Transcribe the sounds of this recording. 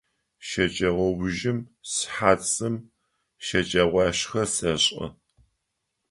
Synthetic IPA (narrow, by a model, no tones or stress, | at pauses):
ʃɐt͡ʃʼɐʁʷɔwʒɪmsħaːt͡sʼɨm | ʃɐt͡ʃʼɐʁʷɑːɕxɐsɐɕʼɐ̰